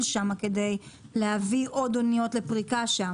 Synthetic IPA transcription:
lʃamake̞de̞jlehaviʔo̞d̪onijo̞tle̞pʁikaʃa

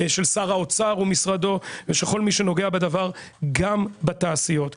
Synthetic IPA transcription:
ʃe̞lsaʁao̞t͡saʁumisʁado̞veʃeko̞lmiʃeno̞ɡe̞abed̪avaʁɡambat̪aːsijo̞t̪

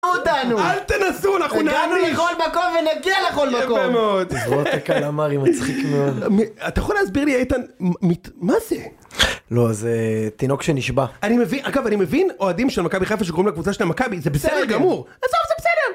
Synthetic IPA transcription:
ot̪anualt̪enasuanaχnunanueχolmakomvenaɡialeχolmakoemeod̪oakalamaʁimat͡sχikmeod̪miat̪ajeχolehasbiʁliejt̪anmitmaze | lo̞zet̪ino̞kʃeniʃbaanimevinʔaɡavanime̞vino̞adimʃelmakabiχafaʃeɡoimlakvut͡saʃelamakabizebesedeʁɡamuʁ | azovzebesedeʁ

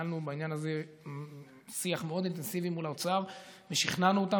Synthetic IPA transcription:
alnubainjanaze̞ | siaχmeo̞d̪int̪e̞nsivimulaot͡saʁveʃiχnanuot̪a

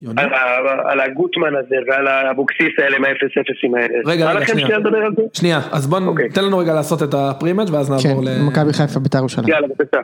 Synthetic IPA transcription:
alaa̰laɡut̪manazevealabuksisaeleimaefesefesimaeleʁeɡaalaχemʃnialed̪abeʁalzeʃniaazbonoket̪enlanuʁeɡalaːso̞t̪etapʁimed͡ʒveaznaːvkoʁlemakabiχajfabet̪aʁuʃalaalababeta

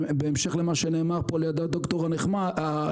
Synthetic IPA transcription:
beːmʃe̞χlemaʃeneːmaʁpolejad̪od̪okt̪o̞ʁaneχmaa

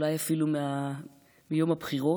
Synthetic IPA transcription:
lajafilumea | mijo̞mapχiʁo

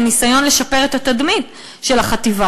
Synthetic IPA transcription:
nisajo̞nle̞ʃape̞ʁet̪at̪ad̪mit̪ | ʃe̞laχat̪iva

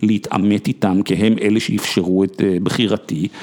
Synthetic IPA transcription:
leitʰa̰met̪it̪amkeɦemʔeleʃeifʃeʁuetbχiʁat̪i

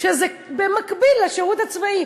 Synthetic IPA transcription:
ʃeze | bemakbilːaʃeʁut̪hat͡svai

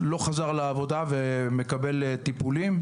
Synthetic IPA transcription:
lo̞χazaʁlaːvo̞d̪aveme̞kabe̞lt̪ipulim

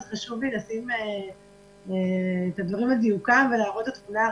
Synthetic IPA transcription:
zχaʃuvlilasime | eːt̪ad̪vaʁimaziukamvelaːʁot̪et̪muna

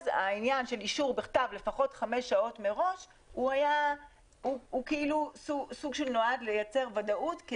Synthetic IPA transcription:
za̰injanʃe̞liʃuʁbeχtavle̞faχo̞tχame̞ʃːao̞tme̞ʁo̞ʃ | huaja | uukeilususuɡʃelno̞adlejat͡se̞ʁvadaʔutk

